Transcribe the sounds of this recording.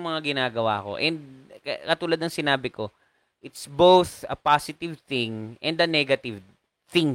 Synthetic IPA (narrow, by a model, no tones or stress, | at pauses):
ŋmɐŋaɡɪnaːɡɐwa̰ːko̰ʔɛnd̪̚kɐkɐt̪uːlad̪̚nɐŋsɪnaːbɪko̞ | ʔɪt̪sbowθɐ̰pasɪt̪ɪvθɪ̃ŋʔɛnd̪ɐnɛɡɐt̪ɪv | θɪ̃ŋ